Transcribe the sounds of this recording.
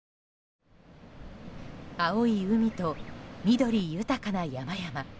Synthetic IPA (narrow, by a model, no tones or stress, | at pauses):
aoiɯ̟mʲit̪o̞mʲid̪o̞ɾʲijɯ̟t̪akanajamajama